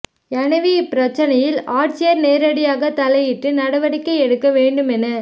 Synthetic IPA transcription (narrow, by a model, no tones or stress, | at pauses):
ɐnɐʋipɪɾɐt͡ʃːɐnɐjɪlaːʈt͡ʃjɐɾneːɾɐɽɪjaːɣɐt̪ɐlɐjɪʈrɯnɐɽɐʋɐɽɪkːɐɪɛɽɯkːɐʋeːɳɖɯmɛnɐ